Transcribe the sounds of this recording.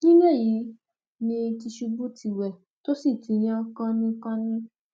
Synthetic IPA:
nĩ˦me˦˨ji˨˦ | nĩ˧ti˧ʃu˧bu˦ti˧˨wɛ˨ | to˦si˦˨tĩ˨˦j̃ã˦kɔ̃˦nĩ˦kã˦nĩ˦

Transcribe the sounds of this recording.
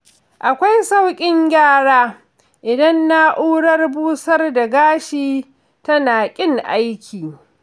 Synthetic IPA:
ʔa˨kʷa˦jsa˦wkʲʼɪ˦ŋɡʲaː˦˨ɽaː˦ | ʔɪ˨dɐ˦nːa˦ʔuː˦ɽɐ˦rbuː˦sɐ˦rda˨ɡaː˦ʃiː˦ | tɐ˦naː˨kʲʼɪ˦ŋʔa˦jkʲʰiː˨

